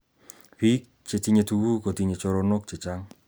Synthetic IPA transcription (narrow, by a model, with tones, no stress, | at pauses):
pi˦k̚t͡ʃe˨ti˦ɲe˨t̪u˨wu˦ko˨t̪i˨ɲe˨t͡ʃo˧ɾono˦k̚t͡ʃe˨t͡ʃa˦ŋ